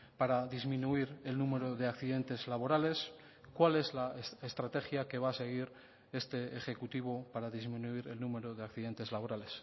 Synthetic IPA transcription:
paɾaðizmĩnuiɾe̞lnume̞ɾoðe̞akθiðe̞nt̪e̞zlaβo̞ɾale̞s | kwale̞zlaesest̪ɾat̪e̞xjake̞β̞aːse̞ɣ̞iɾ | e̞st̪e̞ːxe̞kut̪iβ̞opaɾaðizmĩnuiɾe̞lnume̞ɾoðe̞akθiðe̞nt̪e̞zlaβo̞ɾale̞s

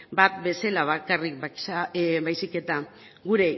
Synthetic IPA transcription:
bat̪be̞selaβ̞akarik̚bakaβajsike̞t̪a | ɣuɾe̞

